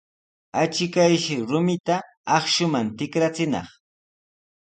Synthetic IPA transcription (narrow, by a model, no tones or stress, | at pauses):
at͡ʃɪkajʃɪɾʊmɪt̪aː | χʃʊmant̪ɪkɾat͡sɪnɑ̰χ